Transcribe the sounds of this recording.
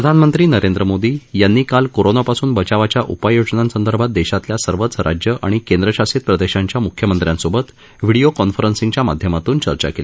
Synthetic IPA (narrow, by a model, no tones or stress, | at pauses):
pɾəd̪ʱanmənt̪ɾiːnəɾend̪ɾəmod̪iːjanːiːkalkoɾonapasuːnbət͡ɕaʋat͡ɕjaʔupajod͡ʑnãnsənd̪əɾbʱat̪̚d̪eɕat̪ljasəɾʋət͡sɾa̰d͡ʑjəʔa̰ɽ̃ikẽnd̪ɾəɕasit̪̚pɾəd̪eɕaɲt͡ɕjamukʰːjəmənt̪ɾjãnsobət̪ | ʋiɽiokɔnfəɾənsĩŋɡt͡ɕjamad̪ʱjəmat̪uːnt͡ɕəɾt͡ɕa̰kele